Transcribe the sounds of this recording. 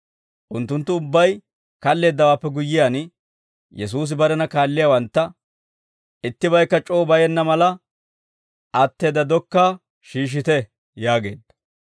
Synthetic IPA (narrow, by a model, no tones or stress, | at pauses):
ʔʊnt̪ːʊnt̪ːʊʊbːɐj | kɐlːe̞ːd̪ːɐwaːpːɛɡʊjːɪjaːn | jɛs̬uːs̬ɪbɐɾɛnɐkaːlːɪjaːwɐnt̪ːɐ | ɪt̪ːɪbɐjkːɐt͡ʃʼo̞ːbɐjɛnːɐmɐlɐ | ʔɐt̪ːe̞ːd̪ɐd̪ɔkːaː | ʃiːʃ̬ɪt̪ɛ | jaːɡe̞̰ːd̪ːɐ